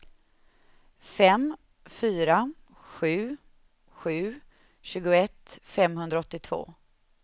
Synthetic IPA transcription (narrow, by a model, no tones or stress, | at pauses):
fɛm | fyːɾa | ɧʉ̟ː | ɧʉ̟ː | ɕʉ̟ːɡʊɛt̪fɛmɦɵnd̪ɾaɔt̪ːɪt̪ʰv̥o̰ː